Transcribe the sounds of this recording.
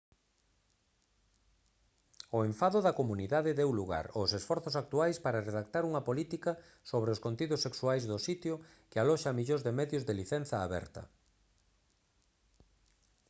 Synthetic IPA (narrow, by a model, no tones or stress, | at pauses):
ʊeɱfaðʊðɐkomuniðaðɪðewluɣa̰ɾosesfɔɾθʊsak̚t̪uajspaɾareðak̚t̪aɾuŋɐpolit̪ikɐ | soβɾeoskont̪iðʊsːeksuajzðʊsit̪jo | kɪalɔʃamiʎozðemɛðjʊzðeliθɛn̟θɐːβɛ̰ɾt̪ɐ̰